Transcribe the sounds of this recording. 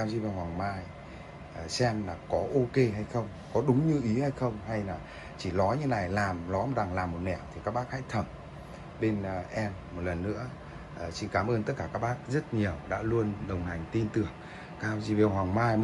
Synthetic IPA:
a˧wzi˧˩va˨˩whwaː˨˩ŋmaː˧j | ʔːsɛ˧mlaː˨˩kɔ˨˦ʔo˧ke˧ɦa˧jxə˧wŋ͡m | kɔ˨˦ɗʊ˨˦ŋ͡mɲɨ˧ʔi˨˦ha˧jxə˧wŋ͡mha˧jlaː˨˩ | t͡ɕi˧˩lɔ˨˦ɲɨ˧˦na˨˩jlaː˨˩mlɔ˨˦jma˨˩t̚ɓa˨˩ŋlaː˨˩mːo˨˩t̚nɛ̰˧˩˨wt̪ʰi˨˩kaː˦˥k̚ɓaː˦˥k̚ha̰˧˥jt̪ʰə˧˩m | ɓe˧nʔɛ˧mːo˨˩t̚lə˨˩nːɨ̰˧˥ə | ʔəː˨˩t͡ɕi˧˩kaː˨˦mʔəː˧nt̪ə˦˥t̚kaː˧˩kaː˦˥k̚ɓaː˦˥k̚zə˦˥t̚ɲi˨˩əwɗa̰ː˧˥lu˧ənɗə˨˩wŋ͡mha˨˩jŋ̟t̪i˧nt̪ɨ˨˩əŋ | kaː˧zḭ˧vɛ˨˩whwaː˨˩ŋmaː˧j

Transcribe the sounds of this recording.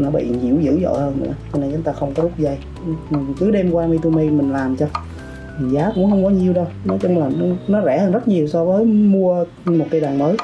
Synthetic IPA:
nɔ˨˦ɓḭ˧˨zḭ˧˩əwzɨ̰˧˥zɔ̰˧˨jhəː˧nnɨ̰˧˥ət͡ɕɔ˧na˧jt͡ɕŋ͡mt̪aː˧xə˧wŋ͡mkɔ˨˦lʊ˦˥p̚zə˧˩j | kɨ˨˦ɗe˧mkwaː˧mi˧t̪u˧mi˧mï˨˩ŋ̟laː˨˩mt͡ɕɔ˧˨˩ | zaː˨˦kʊ̰˧˥ŋ͡mxə˧wŋ͡mkɔ˨˦ɲi˨˩əwɗə˧wnɔ˨˦jt͡ɕʊ˧wŋ͡mlaː˨˩n˨˦nɔ˨˦zɛ˧˩həː˧nzə˦˥t̚ɲi˨˩əwsɔ˧vəː˨˦jmu˧ə | mo˨˩t̚ka˧jɗaː˨˩ŋməː˨˦j

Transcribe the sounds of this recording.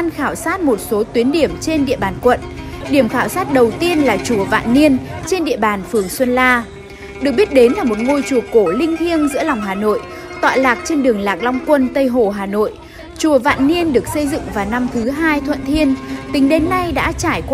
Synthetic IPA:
nxaː˧˩wsaː˦˥t̚mo˨˩t̚so˨˦t̪wi˨˦ənɗi˧˩əmt͡ɕe˧nɗḭ˧˨əɓaː˨˩nkwə̰˧˨n | ɗi˧˩əmxaː˧˩wsaː˦˥t̚ɗə˨˩wt̪i˧ənlaː˨˩t͡ɕu˨˩əva̰ː˧˨nːi˧ənt͡ɕe˧nɗḭ˧˨əɓaː˨˩nfɨ˨˩əŋswə˧nlaː˧ | ɗɨ˨˩k̚ɓi˦˥t̚ɗe˨˦nlaː˨˩mo˨˩t̚ŋo˧jt͡ɕu˨˩əko˧˩lï˧ŋ̟t̪ʰi˧ənzɨ̰˧˥əla˨˩wŋ͡mɦaː˨˩no̰˧˨j | t̪wa̰ː˧˨laː˨˩k̚t͡ɕe˧nɗɨ˨˩əŋlaː˨˩k̚la˧wŋ͡mkwə˧nt̪ə˧jɦo˨˩ɦaː˨˩no̰˧˨j | t͡ɕu˨˩əva̰ː˧˨nːi˧ənɗɨ˨˩ək̚sə˧jzɨ̰˧˨ŋvaː˨˩na˧mt̪ʰɨ˨˦ɦaː˧jt̪ʰwə̰˧˨nt̪ʰi˧ənt̪ï˨˦ŋ̟ɗe˨˦nːa˧jɗa̰ː˧˥t͡ɕaː˧˩jk

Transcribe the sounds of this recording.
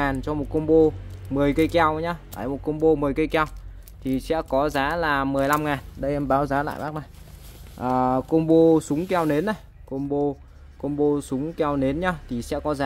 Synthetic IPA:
aː˨˩nt͡ɕɔ˧mo˨˩t̚kə˧wŋ͡mɓo˧mɨ˨˩əjkə˧jka˧wɲa˧ʔaː˨˩jmo˨˩t̚kə˧wŋ͡mɓo˧mɨ˨˩əjkə˧jka˧w | t̪ʰi˨˩sɛ̰˧˥kɔ˨˦zaː˨˦laː˨˩mɨ˨˩əjla˧mŋaː˨˩nɗə˧jʔɛ˧mɓaː˨˦wzaː˨˦la̰ː˧˨jmɓaː˦˥k̚na˨˩j | ʔəː˨˩ko˧ŋ͡mɓo˧sʊ˨˦ŋ͡mkɛ˧wne˨˦nːa˨˩j | ko˧ŋ͡mɓo˧ | ko˧wŋ͡mɓo˧sʊ˨˦ŋ͡mka˧wne˨˦nɲa˧t̪ʰi˨˩sɛ̰˧˥kɔ˨˦zaː˨˦

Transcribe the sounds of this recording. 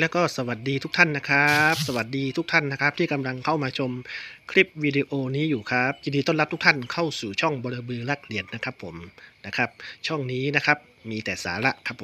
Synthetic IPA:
lɛ˦˥wkɔː˥˩sa˧wa˨˩t̪̚diː˧t̪ʰu˦˥k̚t̪ʰa˥˩nːa˦˥kʰa˦˥p̚sa˧wa˨˩t̪̚diː˧t̪ʰu˦˥k̚t̪ʰa˥˩nːa˦˥kʰa˦˥p̚t̪ʰiː˥˩ka˧mla˧ŋkʰa˥˩wmaː˧t͡ɕʰo˧mkʰɾi˦˥p̚wiː˧de˧ʔoː˧niː˦˥juː˨˩kʰa˦˥p̚jaː˨˧˩diː˧t̪o˥˩˨nla˦˥t̪ʰu˦˥kt̪ʰa˥˩nkʰa˥˩wsuː˨˩t͡ɕʰɔ˥˩ŋbɔː˧la˧bɯː˧la˧˩k̚li˨˩˦ənːa˦˥kʰa˦˥pʰːo˩˦mna˦˥kʰa˦˥p̚t͡ɕʰɔ˥˩ŋniː˦˥na˦˥kʰa˦˥p̚miː˧t̪ɛː˨˩sa̰ː˩˦la˧˥ʔkʰa˦˥p̚ʰː

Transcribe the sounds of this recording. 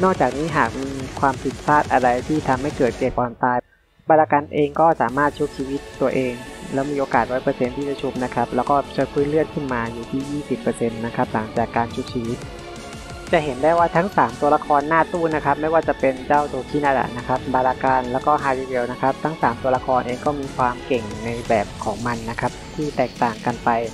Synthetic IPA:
nɔː˥˩k̚t͡ɕaː˨˩k̚niː˦˥ɦaː˨˩k̚miː˧kʰwaː˧mpʰi˨˩t̪̚pʰaː˥˩t̪̚ʔa˧ɾa˧jt̪ʰiː˥˩t̪ʰa˧mha˥˩jkɤː˨˩t̪̚keː˨˩k̚ʔɔː˧nt̪aː˧j | baː˧ɾaː˧kaː˧nʔeː˧ŋkɔː˥˩saː˩˦maː˥˩t̪̚t͡ɕʰu˦˥p̚t͡ɕʰiː˧wi˦˥t̪ːu˧ɐʔeː˧ŋlɛː˦˥wmiː˧ʔoː˧kaː˨˩t̪̚ɾɔː˦˥jpɤː˧se˧nt̪ʰiː˥˩t͡ɕa˨˧˩t͡ɕʰu˦˥p̚na˦˥kʰa˦˥p̚lɛː˦˥wkɔː˥˩t͡ɕʰɤː˧pʰuː˦˥nlɯ˥˩ət̪̚kʰɯ˥˩nmaː˧juː˨˩t̪ʰiː˥˩jiː˥˩si˨˩pːɤː˧se˧nːa˦˥kʰa˦˥p̚la˩˦ŋt͡ɕaː˨˩kːaː˧nt͡ɕʰu˦˥p̚t͡ɕʰiː˧wi˦˥t̪̚ | t͡ɕa˨˩ʔɦe˩˦ndaː˥˩jwaː˥˩t̪ʰa˦˥ŋsaː˩˦mt̪u˧ɐla˧˥kʰɔː˧nːaː˥˩t̪uː˥˩na˦˥kʰa˦˥p̚ma˥˩jwaː˥˩t͡ɕa˨˩pe˧nt͡ɕaː˥˩wt̪ʰuː˧˩k̚t̪ʰiː˥˩naː˥˩da̰˨˩na˦˥kʰa˦˥p̚baː˧laː˧kaː˧nlɛː˦˥wkɔː˥˩ɦaː˧li˧di˧wna˦˥kʰa˦˥p̚t̪ʰa˦˥ŋsaː˩˦mt̪u˧ɐla˧kʰɔː˧nʔeː˧ŋkɔː˥˩miː˧kʰwaː˧mke˨˩ŋna˧jbɛː˨˩p̚kʰɔː˩˦ŋma˧nːa˦˥kʰa˦˥p̚t̪ʰiː˥˩t̪ɛː˨˩k̚t̪aː˨˩ŋka˧npa˧j

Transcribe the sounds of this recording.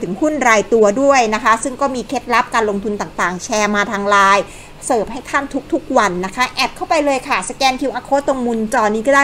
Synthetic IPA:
ɯ˨˩˦ŋhu˥˩nɾaː˧jt̪u˧ɐdu˥˩əjna˦˥kʰa˦˥sɯ˥˩ŋkɔː˥˩miː˧kʰe˦˥t̪̚la˦˥p̚kaː˧nlo˧ŋt̪ʰu˧nt̪aː˨˩ŋt̪aː˨˩ŋt͡ɕʰɛː˧maː˧t̪ʰaː˧ŋɾaː˧j | sɤː˨˩p̚ha˥˩jt̪ʰaː˥˩nt̪ʰu˦˥k̚t̪ʰu˦˥k̚wa˧nːa˦˥kʰa˦˥ʔɛː˨˩p̚kʰa˥˩wpa˧jlɤː˧jkʰa˥˩sa˧kɛː˧nk̪ʰi˧wʔa˧kʰoː˦˥t̪lo˧ŋmu˧nt͡ɕɔː˧nːiː˦˥kɔː˥˩daː˥˩

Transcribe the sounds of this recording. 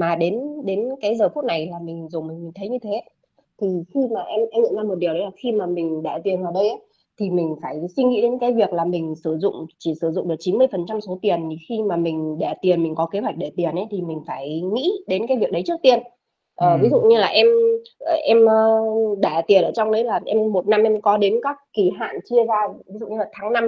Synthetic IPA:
maː˨˩ɗe˨˦nɗe˨˦nkaː˨˦jzəː˨˩fu˦˥t̚na˨˩jlaː˨˩mï˨˩ŋ̟zo˨˩mï˨˩ŋmi˨˩ŋt̪ə˨˦jɲɨ˧t̪ʰe˨˦ | t̪ʰi˨˩xi˧maː˨˩ʔɛ˧mʔɛ˧mŋɨ̰˧˨ŋzaː˧mo˨˩t̚ɗi˨əwɗə˨˦laː˨˩xi˧maː˨˩mï˨˩ŋ̟ɗa̰ː˧˥t̪i˨˩ənvaː˨˩ɗə˧jʔa˨˦ | t̪ʰi˨˩mï˨˩ŋ̟faː˧˩jswi˧ŋḭ˧˥ɗe˨˦nkaː˨˦jvi˨˩ək̚laː˨˩mï˨˩ŋ̟sɨ˧˩zʊ̰˧˨ŋ͡mt͡ɕi˧˩sɨ˧˩zʊ̰˧˨ŋ͡mɗək̚t͡ɕi˨˦mɨ˧jfə˨˩nt͡ɕa˧mso˨˦t̪i˨˩əni˨˩xi˧maː˨˩mï˨˩ŋ̟ɗɛ̰˧˩t̪i˨˩ənmï˨˩ŋ̟kɔ˨˦ke˨˦ɦwa˨˩k̚ɗe˧˩t̪i˨˩ənʔə˨˦t̪ʰi˨˩mï˨˩ŋ̟faː˧˩jŋḭ˧˥ɗe˨˦nkaː˨˦jvi˨˩ək̚ɗə˨˦jt͡ɕɨ˦˥k̚t̪i˧˩ən | ʔəː˨˩vi˨˦zṵ˧˨ɲɨ˧laː˨˩ʔɛ˧mː˨˩ʔɛ˧məː˧ɗaː˧˩t̪i˨˩ənʔəː˧˩t͡ɕɔ˧wŋ͡mɗə˨˦jlaː˨˩ʔɛ˧mːo˨˩t̚na˧mʔɛ˧mkɔ˨˦ɗe˨˦nkaː˦˥kːi˧˩ɦa̰ː˧˨nt͡ɕi˧əzaː˧vi˨˦zṵ˧˨ɲɨ˧laː˨˩t̪ʰaː˨˦ŋna˧m

